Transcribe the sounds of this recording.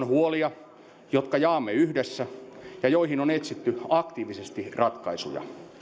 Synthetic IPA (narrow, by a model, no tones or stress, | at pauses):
nhuoliɑ | jot̪kɑjɑːmːeyhdesːæjɑjoihinonet̪sit̪ːyɑkt̪iːʋisest̪irɑt̪kɑisṵjɑ̰